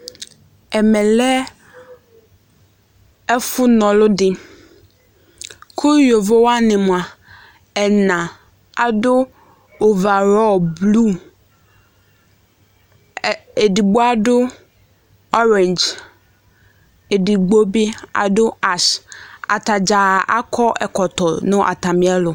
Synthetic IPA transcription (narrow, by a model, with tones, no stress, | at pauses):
ɛ˨mɛ̃˨lɛ˦ | ɛ˦fʊ˦nɔ̃˨lʊ˦dɪ˦ | kʰo˦jo˨vo˦wa˦nɪ̃˨mʊ̃˨a˨ | ɛ˨nã˨ | a˨dʊ˦ | ʊ˨va˨ɾɔ˦˨blu˦ | e˨di˨ɡ͡bo˦a˦dʊ˦ | ɔ˦ɾɛ̃˨nd͡ʒ | e˨di˨ɡ͡bo˦bɪ˦a̰˨dʊ˦a˨sa̰˨tʰa˨d͡ʑaː˨ʔa̰˦kʰɔ˦ʔɛ̰˨kʰɔ˨tʰɔ˨nʊ̃˦ʔa̰˨tʰa˨mɪ̃˨˦ɛ˦lʊ˨